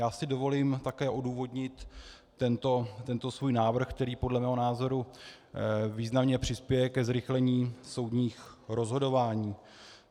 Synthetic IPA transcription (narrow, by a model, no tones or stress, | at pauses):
jaːsɪdo̞vo̞limt̪akɛːʔo̞duːvo̞dɲɪt̪ː | ɛnt̪o̞t̪ɛnt̪o̞svuːjnaːvr̩xk̚t̪ɛɾiːpo̞dlɛmɛːɦo̞naːzo̞ɾu | viːznamɲɛpr̥ɪspjɛjɛkɛzɾɪxlɛɲiːso̞wdɲiːxɾo̞zɦo̞do̞vaːɲiː